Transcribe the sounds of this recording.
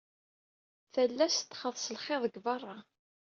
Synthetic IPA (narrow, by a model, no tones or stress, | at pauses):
θəlːæst̪ːχəðˤsəlχeðˤəɡvɑrˤːɑ